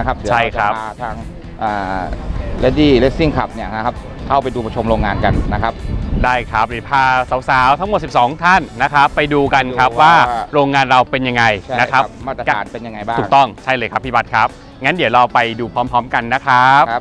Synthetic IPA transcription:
kʰa˦˥p̚ɯt͡ɕʰa˥˩jkʰɾa˦˥p̚ːt̪ʰaː˧˥ŋ | ʔaː˨˩ | le˦˥diː˥˩le˦˥k̚si˥˩ŋkʰa˨˩p̚ni˥˩ɐka˦˥kʰa˦˥p̚ | kʰa˥˩wpa˧jduː˧pʰa˧˩t͡ɕʰo˧mɾoː˧ŋaː˧nka˧nːa˦˥kʰa˦˥p̚daː˥˩jkʰɾa˦˥p̚li˨˩pʰaː˧sa˩˦wsaː˩˦wt̪ʰa˦˥ŋo˨˩t̪̚si˨˩p̚sɔː˩˦ŋt̪ʰa˥˩nːa˦˥kʰɾa˦˥pːa˧jduː˧ka˧nkʰɾa˦˥pwaː˥˩ɾoː˧ŋːaː˧nɾa˧wpe˧nja˧ŋːa˧jna˦˥kʰa˦˥˦p̚maː˥˩t̪ːa˧aː˩˦npe˧nja˧ŋa˧jbaː˥u˨˩t̪ɔ˥˩ŋt͡ɕʰa˥˩jlɤː˧kʰa˦˥pʰːi˥˩ba˦˥t̪̚kʰa˦˥p̚ | ŋaː˦˥ndi˩˦wɾa˧wpa˧jduː˧pʰɔː˦˥mpʰɔː˦˥mka˧nːa˦˥kʰa˦˥p̚

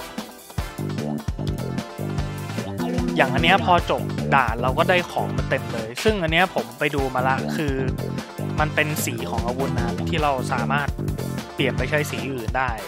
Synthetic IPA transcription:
jaː˨˩ŋʔa˧nːi˦˥ɐpʰɔː˧t͡ɕo˨˩p̚daː˨˩nɾaɛː˧wkɔː˥˩daː˥˩jkʰɔ̰ː˩˦ŋma˧nt̪e˧mlɤː˧jsɯ˥˩ŋʔa˧nːi˦˥ɐpʰo˩˦mpa˧jduː˧maː˧la˦˥ʔkʰɯː˧ | ma˧npe˧nsiː˩˦kʰɔː˩˦ŋʔa˧wu˧nːaː˧˩mt̪ʰiː˥˩ɾa˧wsaː˩˦maː˥˩t̪̚pli˨˩ənpa˧jt͡ɕʰa˦˥jsiː˩˦ʔɯː˨˩ndaː˥˩j

